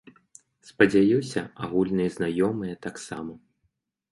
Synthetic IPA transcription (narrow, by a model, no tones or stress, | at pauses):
spɐd͡zʲajusʲɐaɣulʲnɨjɐznajɔmɨjɐt̪aksamɐ